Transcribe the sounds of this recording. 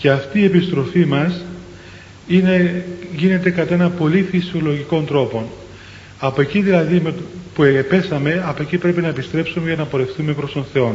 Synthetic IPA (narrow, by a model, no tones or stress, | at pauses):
ce̞ɐft̪iːe̞pist̪ɾo̞fimɐs | ineʝine̞t̪e̞kɐt̪ɐe̞nɐpo̞lifisio̞loʝiko̞nd̪ɾo̞po̞n | ɐpoeciðilɐðimepuepe̞sɐme̞ɐpoecipɾe̞pinɐepist̪ɾe̞psumecɐnɐpo̞ɾe̞fθume̞pɾost̪o̞nθe̞o̞n